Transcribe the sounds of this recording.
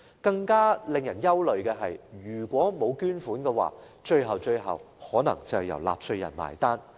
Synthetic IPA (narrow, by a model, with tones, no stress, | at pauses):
kɐ˧ŋkaː˥lɪ˨˧ŋjɐ˨˩njɐ˥wlɵ˨ɥkɛː˧ɦɐ˨jjyː˨˩kʷɔː˨˥mo˨˧wkyː˥nfuː˨˥nkɛː˧wa̰ː˨ | t͡ʃɵ˧ɥɦɐ˨wt͡ʃɵ˧ɥɦɐ̰˨w | hɔː˨˥nɐ̰˨˩ŋt͡sɐ˨hɐ˨jɐ̰˨˩wla̰ː˨p̚sɵ˧ɥjɐ̰˨˩nma̰ː˨˩jt̪aː˥n